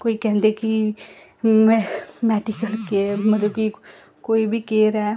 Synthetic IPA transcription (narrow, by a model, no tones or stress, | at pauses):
koːikɛ̃ɦnd̪eki | mmɛːʈikəlkemɐt̪ləbki | koːibʱikeːɾɛː